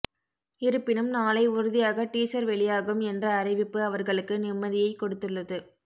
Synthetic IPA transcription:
ɪɾɯpːɪnɯmnaːlɐɪʊɾɯðɪjaːɣɐʈiːsɐɾʋɛɭɪjaːɣɯmɛndrɐːrɪʋɪpːɯɐʋɐɾɣɐɭɯkːɯnɪmːɐðɪjɐɪkːɔɽɯt̪ːɯɭːɐðɯ

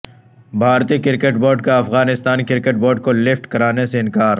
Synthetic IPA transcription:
bʱaːɾt̪ikɪɾkeʈboːɾɖkaɐfɣaːnɪst̪aːnkɪɾkeʈboːɾɖ̚kolɪfʈkɐɾaːneseɪnkaːɾ

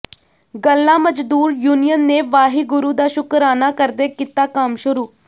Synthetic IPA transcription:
ɡəlːãːməd͡ʒd̪uːɾjuːnijənːeːʋaːɦiːɡʊɾuːd̪aːʃʊkəɾaːnaːkəɾd̪eːkit̪aːkəmʃʊɾuː

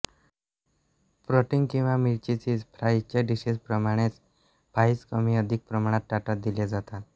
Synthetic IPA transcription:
pɾoʈiŋɡkĩw̃ʋamiɾt͡ɕit͡sid͡zpʰɾajt͡ɕaɖisispɾəmaɽ̃et͡s | b̥ʱaiskəmiəd̪ʱik̚pɾəmaɽ̃at̪̚ʈaʈat̪̚d̪ilad͡zat̪a

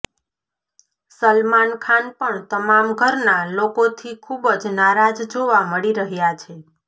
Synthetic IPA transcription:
səlmankʰanpəɳt̪əmamɡʱəɾnalokot̪ʰikʰubəd͡ʒnaɾad͡ʒd͡ʒoʋaməɭiɾəɦjat͡ʃʰe

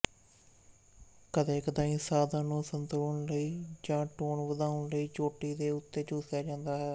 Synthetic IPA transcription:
kəd̪eːkəd̪ãːĩːsaːd̪ãːnũːsənt̪ɾoːɳləiːd͡ʒãːʈoːɳʋəd̪aːʊɳləiːt͡ʃoːʈiːd̪eːʊt̪ːeːt͡ʃʊːsjaːd͡ʒãːnd̪aːɦɛː

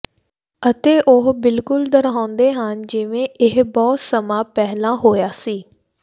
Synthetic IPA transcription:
ət̪eːʔʊɦbɪlkʊld̪əɾɦãːnd̪eːɦənd͡ʒɪʋẽːʔɪɦbɔːt̪səmãːpɛɦlãːɦoːjaːsiː

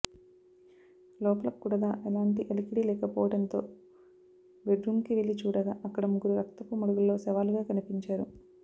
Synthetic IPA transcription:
lɔːpɐlɐkkːuɽɐd̪aːʔɛlaːɳʈiʔelikiɽiːlɛːkɐpɔːʋɐɽɐnt̪o̞ː | ʋeɖɾumkiʋelit͡ʃuːɽɐɡaːʔɐkːɐɽɐmuɡuɾuɾɐkt̪ɐpːumɐɽuɡullːo̞ːsɛʋaːluɡaːkɐnipiɲt͡ʃaːɾu

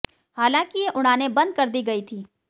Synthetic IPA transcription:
haːlãːkijeʔʊɽ̃aːnebɐ̃nd̪̚kɐɾd̪iɡɐit̪ʰiː

